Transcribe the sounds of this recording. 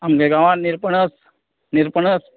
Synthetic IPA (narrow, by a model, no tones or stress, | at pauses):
amɡeɡãʋaniɾpəɳəs | niɾpəɳəs